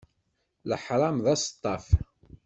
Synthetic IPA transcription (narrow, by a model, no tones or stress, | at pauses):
ləħɾˤɑmðæst̪ˤːɑf